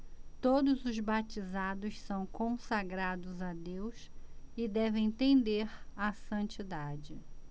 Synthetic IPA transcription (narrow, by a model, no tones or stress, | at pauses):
t̪od̪ʊzʊzbat͡ʃizad̪ʊssɐ̃w̃kõsaɡɾad̪ʊzad̪ewsɪd̪ɛvẽj̃t̪ẽd̪eɾasɐ̃nt͡ʃid̪ad͡ʒɪ